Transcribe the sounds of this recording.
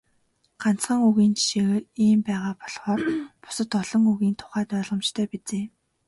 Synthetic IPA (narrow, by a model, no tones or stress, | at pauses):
ɢan̥t͡sχə̆ŋuɣiːnt͡ɕʰi̥ʃeːɣɘiːmpæːʁaːpɔɮχɔːrpʊ̥sə̆t̪ɔɮɞ̆ŋuɣiːnt̪ʰʊ̥χæːt̪œːɮʁə̆mt͡ɕt̪ʰœːpit͡seː